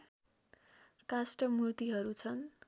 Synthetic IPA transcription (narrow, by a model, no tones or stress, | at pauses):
kasʈʌmurt̪iɦʌɾut͡sʰʌn